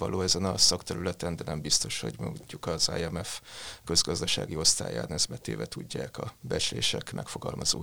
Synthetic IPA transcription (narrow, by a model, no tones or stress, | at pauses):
ɒ̰lʔoːɛzɛnɒsɒkt̪ɛɾylɛt̪ɛnd̪ɛnɛmbist̪o̞ʃho̞ɟmoɲːukɒza̰ːjɛmɛfkø̞zɡɒzd̪ɒʃa̰ːɡio̞st̪a̰ːja̰ːnɛzbɛt̪ḛːvɛt̪uɟːaːkɒbɛt͡ʃleːʃɛkmʔɛ̰kfoɡɒlmɒzoː